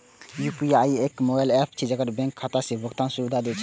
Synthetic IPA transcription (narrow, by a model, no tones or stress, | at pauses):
jupiajekmobajlepʰt͡ʃʰid͡ʒakəɾbɛ̃ŋkʰːat̪asebʱɔkt̪ansuɾud̪ʱad̪et͡ʃʰ